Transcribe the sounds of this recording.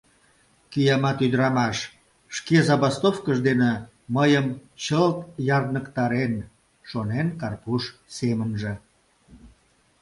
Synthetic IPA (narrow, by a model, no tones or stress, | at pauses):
kyjɑmɑt̪yd̪əɾɑmɑʃ | ʃkezɑβɑst̪ofkəʒd̪ene | məjəmt͡ɕəlt̪jɑrd̪nəkt̪ɑɾen | ʃonenkɑrpuʃsemənʒĕ